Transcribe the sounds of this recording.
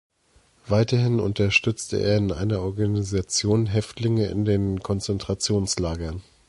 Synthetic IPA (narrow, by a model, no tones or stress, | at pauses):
v̥aɪtɐhɪnʊ̰ntɐʃtʏt͡stə̰ʔḛːɐɪnʔa̰ɪnɐʔɔɐɡanizat͡sjoːnɦɛftlɪŋəɪ̰ndeːnkʰɔnt͡sɛntʁ̥at͡sjoːnslaːɡɐn